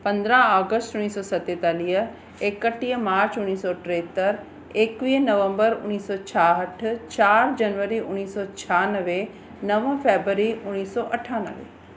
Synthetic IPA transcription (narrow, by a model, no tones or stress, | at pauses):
pə̃nd̪ɾãːaːɡəsʈʊnːiːsɔːsət̪eːt̪aːlijə | ekːəʈːiːəmaːɾt͡ʃʊnːiːsɔːʈɾeːt̪əɾ | ekʋiːnəʋə̃mbəɾʊ̰nːiːsɔːt͡ʃʰaːɦəʈʰt͡ʃaːɾd͡ʒənʋəɾiːʔʊnːiːsɔːt͡ʃʰaːnəʋeː | nəʋə̃pʰeːbɾəɾiːʔʊnːiːsɔːʔəʈʰːaːnə̰ʋḛː